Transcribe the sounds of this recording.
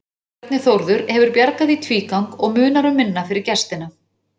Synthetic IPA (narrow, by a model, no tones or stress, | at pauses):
t̪nɪθowɾðʏɾhɛvʏɾpjaɾkaðit̪ʰviːkawŋkɔɣmʏːnaɾʏmːɪnːafɪɾɪɾ̥cɛ̥st̪ɪna